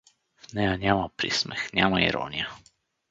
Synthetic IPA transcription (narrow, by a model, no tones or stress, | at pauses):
vnɛjanʲamɐpɾḭsmɛxnʲamɐḭɾɔ̰nʲijə